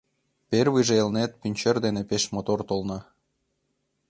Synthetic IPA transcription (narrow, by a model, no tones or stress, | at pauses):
perβɯʒeelnet̪̚pynʲt͡ɕĕrd̪enepeʃmot̪ort̪olnɑ